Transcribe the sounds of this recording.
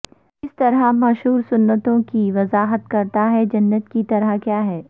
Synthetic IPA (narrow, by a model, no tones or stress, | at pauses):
ɪst̪ɐɾamɐʃɦuːɾsʊnːət̪õkiʋɐzaːɦət̪kɐɾt̪aɦɛd͡ʒɐnːət̪kit̪ɐɾəkjaːɦɛː